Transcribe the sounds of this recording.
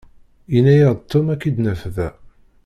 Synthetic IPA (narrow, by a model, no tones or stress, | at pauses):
jənːæjəʁd̪t̪ʰːʊmækːid̪næfðæ